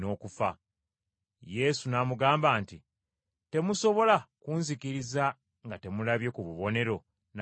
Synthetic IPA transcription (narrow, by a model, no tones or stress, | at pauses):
no̞ːkufa̰ | je̞sunamuɡaːmbaːnti | te̞muso̞βo̞lakuːnzikiɾiza | ŋɡate̞mulaβje̞kuβuβo̞ne̞ɾo̞ | n